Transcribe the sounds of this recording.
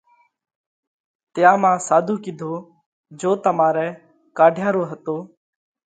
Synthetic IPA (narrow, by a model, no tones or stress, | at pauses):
t̪ɪjãːmãːsaːd̪ʱuːkɪd̪ʱoː | d͡ʒoːt̪əmaːɾɛː | kaːɖʱjãːɾoːɦət̪oː